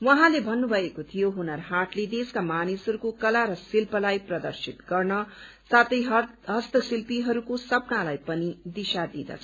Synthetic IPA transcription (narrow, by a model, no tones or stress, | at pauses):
wʌɦãlebʱʌnːubʱʌekot̪ʰijoɦunʌrɦaʈled̪eskamanisʌɾukokʌlaɾʌsilpʌlajprʌd̪ʌrsit̪ɡʌrnʌ | sat̪ʌjɦ | ɦʌst̪ʌsilpiɦʌɾukosʌpnalajpʌnid̪isad̪ḭd̪ʌ̰t͡sʰʌ